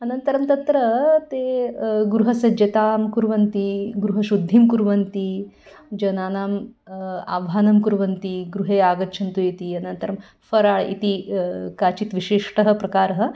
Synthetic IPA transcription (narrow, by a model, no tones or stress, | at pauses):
ɐnɐnt̪ɐɾɐmt̪ɐt̪ɾɐt̪eːɡɾuɦɐsɐd͡ʒjɐt̪aːmkuɾʋɐnt̪iɡɾuɦɐʃud̪ʱːimkuɾʋɐnt̪i | d͡ʒɐnaːnaːm | a̰ːbʱaːnɐmkuɾʋɐnt̪iɡɾuɦeːaːɡɐtːʃʰɐnt̪uit̪iɐnɐnt̪ɐɾɐm | fɐɾaːɭḭt̪ikaːt͡ʃit̪ʋiʃeːʂʈɐɦɐ̆pɾɐkaːɾɐɦɐ̆